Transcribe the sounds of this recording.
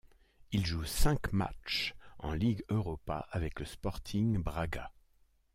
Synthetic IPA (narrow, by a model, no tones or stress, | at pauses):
ilʒusɛ̃kma̰t͡ʃɑ̰̃liɡøʁɔpa̰ʔavɛkləspɔʁt̪ʰiŋbʁaɡa